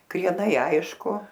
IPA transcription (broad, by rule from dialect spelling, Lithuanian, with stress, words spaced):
krʲiɛˈnɐɪ ˈɐɪʃkʊ